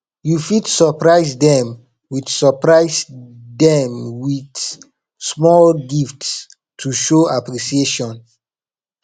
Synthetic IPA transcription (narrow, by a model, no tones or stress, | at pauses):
jufidsɔpɹaɪsdɛ̃m | wiθsɔpɹaɪsdɛ̃mwid | smɔlɡifts | tʰuʃoapɹiʃieʃɔ̃n